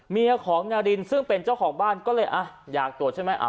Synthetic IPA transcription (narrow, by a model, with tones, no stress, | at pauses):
miː˧ʔa˧kʰɔː˩˦ŋnaː˧di˧nsɯ˥˩ŋpe˧nt͡ɕaː˥˩wkʰɔː˩˦ŋbaː˥˩nkɔː˥˩lɤː˧jʔa˧˩jaː˨˩k̚t̪u˨˩ət̚t͡ɕʰa˥˩jma˦˥jʔa̰˧˩